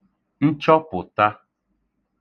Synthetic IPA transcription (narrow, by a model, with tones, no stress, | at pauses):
n̩˦t͡ʃɔ˦pʊ˨ta˦